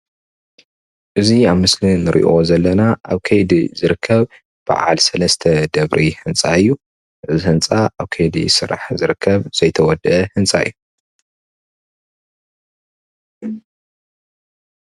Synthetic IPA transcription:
ʔɨziaβmɨslinɨɾʔḭʔo̞zɐlːɐnaʔa̰βkʰɐjd̪izɨɾɨkʰːɐβ | b̥a̰ʕa̰lsɐlɐst̪ʰɐd̪ɐβɾʔihɨnt͡sʼaɨjːu | ʔɨzihɨnt͡sʼaʔaβkʰɐjd̪ḭsɨɾa̰ħzɨɾɨkʰːɐβz̥ɐjt̪ʰɐwɔd̪ʔɐhɨnt͡sʼaɨjːu

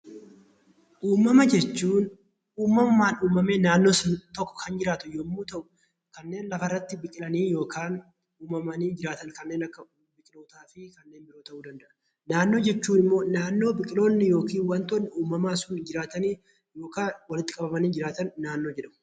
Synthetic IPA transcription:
ʔuːmɐmɐd͡ʒɛt͡ʃːuːn | ʔuːmɐmʊmaːnuːmɐme̞ːnaːnːoːsʊnt̪ɔkːɔ̥kʰɐnd͡ʒɪɾaːt̪ʊjoːmːuːt̪ɐʔʊ̥ | kɐnːe̞ːnlɐfɐɪrːɐt̪ːɪbɪkʼɪlɐniːjo̞ːkʰaːn | uːmɐmɐniːd͡ʒɪɾaːt̪ɐnkɐnːe̞ːnɐkːɐ | bɪkʼɪlo̞ːt̪aːfɪkɐnːeːnbɪɾo̞ːt̪ɐʔuːd̪ɐnd̪ɐʔɐ̥ | naːnːo̞ːd͡ʒɛt͡ʃːuːnɪmːo̞ːnaːnːo̞ːbɪkʼɪlo̞ːnːɪjo̞ːkiːnwɐnt̪ɔnːɪuːmɐmaːsʊnd͡ʒɪɾaːt̪ɐniː | jo̞ːkaːwɐlɪt̪ːɪ̥kʼɐbɐmɐniːd͡ʒɪɾaːt̪ɐnːaːnːo̞ːd͡ʒɛᶑɐmʊ

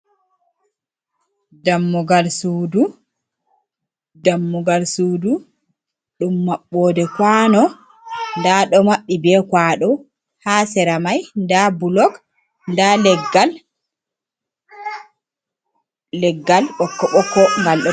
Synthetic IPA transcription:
damːɔɡalsuːdu | damːɔɡalsudu | ɗumːaɓːɔːdɛkwanɔ | ndaɗɔmaɓːibɛkwaɗɔ | hasɛɾamajndabulɔk | ndalɛɡal | ɛɡːalɓɔkːɔɓɔkːɔŋɡalɗɔ

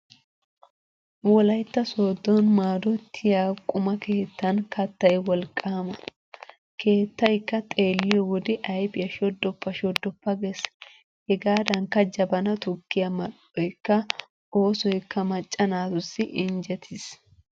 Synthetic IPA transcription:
wɔlɐjt̪ːɐso̞ːd̪ːɔnmaːd̪ɔt̪ʰːɪjaːkʼʊmɐkʰe̞ːt̪ːɐnkɐt̪ːɐjwɔlkʼːaːmɐ | ke̞ːt̪ːɐjkːɐt̪ʼe̞ːlːɪjɔwɔd̪ɪʔɐjpɪjɐʃɔd̪ːɔpːɐʃɔd̪ːɔpːɐɡɛs | hɛɡaːd̪ɐŋkːɐd͡ʒɐbɐnɐt̪ʊkːɪjɐmɐɗ | ɔjkːɐ | o̞ːsɔjkːɐmɐt͡ʃʼːɐnaːt̪ʊsːɪʔɪnd͡ʒɛt̪ʰɪs

